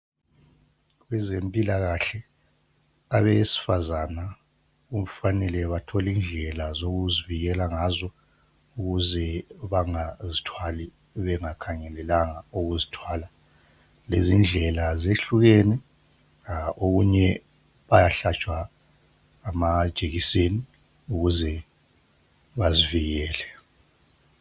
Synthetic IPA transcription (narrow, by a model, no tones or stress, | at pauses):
ɣwɛzempʼilaɣaɬɛ | aβesi̥fazana | um̩fanɛlɛβatʰɔliːnd͡ɮʱɛlazoɣuziviɣɛlaŋazɔ | uɣuzɛβaŋazitʰwali | βɛŋakʰaŋɛlɛlaŋauɣuzitʰwaːla | lezind͡ɮʱɛlazeɬuɣɛnɛ | oɣuɲɛ | βajaɬat͡ʃʼwaː | mad̥ʒ̥ʱeɣiseni | uɣuzɛ | βaziviɣɛːlɛ